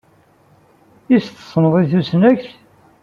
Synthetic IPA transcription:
isθə̥sˤnəðˤiθusnæçθ

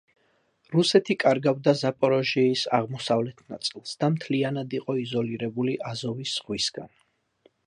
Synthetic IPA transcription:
ɾusɛt̪ʰikʼaɾɡavd̪azapʼɔɾɔʒiisa̰ʁmɔsavlɛt̪ʰna̰t̪sʼilˠsd̪̥amt̪ʰlianad̪iqʼɔizɔliɾɛbuliʔazɔvisːʁwisɡ̥a̰n

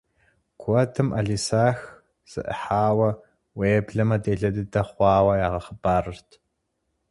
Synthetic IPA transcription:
kʷʰɔtʰɨmʔɐ̰ɮisaːx | z̥ɨ̰ʔə̰ħaːwɐ | weːɛbɮɐmɐdeːɮɐdɨdɐχʷɑːwɐjaːʁɐχəbaːrɨrtʰ

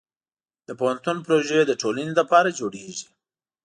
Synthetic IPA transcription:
d̪̥əpohant̪unpɾoʒəed̪əʈolaniləpɑɾad͡ʒoɽeʒi

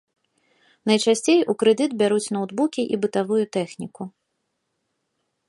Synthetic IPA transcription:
nɐjt͡ʂasʲt͡sʲejukɾɨd̪ɨd̪bʲaɾut͡sʲn̪ɐwd̪bukʲiʔibɨt̪avujut̪ɛxnʲiku

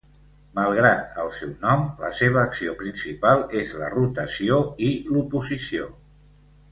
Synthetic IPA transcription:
məlˠɣ̞ɾat̪əlˠsɛwnɔmlə̰seβ̞əːksiopɾinsipalˠezlə̰rut̪əsioilupuzisio

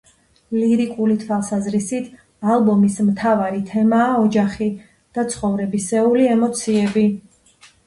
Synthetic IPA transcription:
liɾikʼulit̪ʰwalˠsazɾisit̪ʰ | alˠbɔmismt̪ʰavaɾit̪ʰɛmaːɔd͡ʒaχi | d̪̥at̪sʰχɔvɾɛbisɛuliɛmɔt̪sʰiɛbi

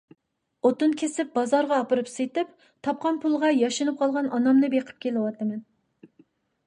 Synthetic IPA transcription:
ot̪unkʲʰesɪp̚bɑzɑɾʁɑːpɨɾɨpset̪ɪp | t̪ʰɑp̚qʰɑnpʰulˠʁɑjɑʃɨnɨp̚qʰɑlˠʁɑnɑnɑmnɨbeqʰə̥p̚kʲʰelɪwɑt̪ʰːɨmɛn

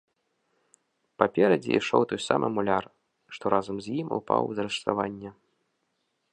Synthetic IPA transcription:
papʲɛɾɐd͡zʲḭḭʂɔwt̪ɔjsa̰mʔɨ̰mulʲar | ʂt̪ɔɾʔazɐmzʲjimṵpa̰wzɐɾɨʂt̪avanʲːɛ

